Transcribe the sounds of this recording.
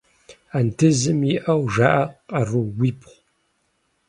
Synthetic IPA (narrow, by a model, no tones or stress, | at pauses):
antʰɨzɨmjiʔɐwʒaːʔɐqɐruwiːpʰχʷ